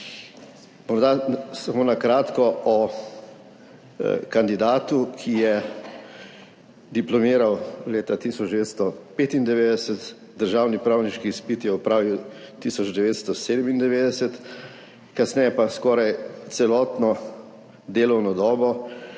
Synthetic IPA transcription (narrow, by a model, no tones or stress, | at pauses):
mɔɾd̪asamoːnakɾaːt̪kɔɔ | kand̪id̪aːt̪ukʰijɛ | d̪iplɔmiːɾawleːt̪at̪isɔd͡ʒd̪ɛʋeːt̪st̪ɔpeːt̪ind̪ɛʋeːd̪ɛsɛt̪ | d̪əɾʒaːwnipɾawniʃkiːspit̪jɛupɾaːʋiwt̪isɔd͡ʒd̪ɛʋeːt̪st̪ɔseːd̪ɛmind̪ɛʋeːd̪ɛsɛt̪ | kasnɛjɛpaskɔːɾajt̪sɛlɔːt̪nɔ | d̪eːlɔwnɔd̪ɔːbɔ